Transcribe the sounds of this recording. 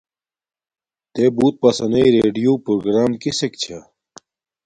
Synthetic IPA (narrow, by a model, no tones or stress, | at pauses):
t̪eːbuːt̪̚pɐsɐnɐiɾeːɖijuːpɾoɡɾaːmkisekt͡ɕʰa